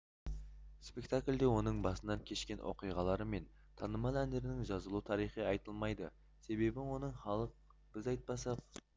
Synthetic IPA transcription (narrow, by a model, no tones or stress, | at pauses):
spe̞kt̪akʲlʲd̪e̞wo̞nəɴbɑsənɑŋkʲʰe̞ʃkʲe̞nwʔo̞̰qijʁɑlˠɑɾəme̞n | t̪ʰɑnəmɑlˠænd̪e̞ɾɪnɪŋʒɑzəlˠut̪ʰɑɾijχijɑjt̪əlˠmɑjd̪ə̰ | se̞be̞bɪwo̞nəɴχɑlˠəq | b̥ɪzɑjt̪̚pɑsɑq̚